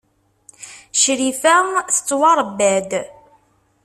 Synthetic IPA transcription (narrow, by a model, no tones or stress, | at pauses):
ʃɾifæθət͡sːwɑɾˤbːæd̪